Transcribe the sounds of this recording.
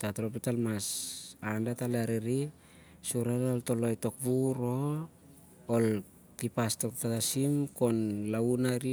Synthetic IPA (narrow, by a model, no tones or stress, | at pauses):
tatɾopitalmasandataleaɾeɾi | suɾanolto̞lo̞jto̞k̚βuɾo̞ | l | tipastok̚tatatasimko̞nlaunaɾi